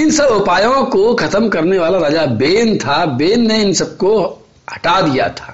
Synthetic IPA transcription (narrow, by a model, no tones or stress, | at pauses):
ɪnsɐbʊpaːjõkokʰɐt̪əmkɐɾneʋaːlaɾɐd͡ʒabeːnt̪ʰabeːnːeɪnsɐb̚ko | hɐ̥ʈad̪ija̰t̪ʰḁː